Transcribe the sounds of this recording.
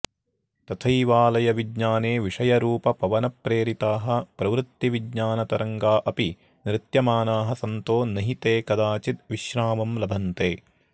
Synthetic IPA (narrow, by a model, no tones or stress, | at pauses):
t̪ɐt̪ʰɐjʋaːlɐjɐʋiɡɲaːneːʋiʂɐjɐɾuːpɐpɐʋɐnɐpɾeːɾit̪aːɦɐ̆pɾɐʋɾɨt̪ːiʋidɲaːnɐt̪ɐɾɐŋɡaːʔɐpi | nɾɪt̪jɐmaːnaːɦɐsɐnt̪oːnɐɦit̪eːkɐd̪aːt͡ʃit̪ʋiʃɾaːmɐmlɐbʱɐnt̪eː